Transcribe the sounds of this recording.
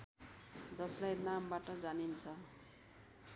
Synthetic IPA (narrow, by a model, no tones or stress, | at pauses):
d͡zʌslajnambaʈʌd͡zanint͡sʰʌ